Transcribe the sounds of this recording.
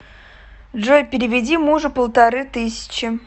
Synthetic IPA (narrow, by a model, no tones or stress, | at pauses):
dʐojʲpʲɪɾʲɪvʲɪdʲimuʐɨpəlˠt̪aɾɨt̪ɨsʲɪ̥t͡ɕɪ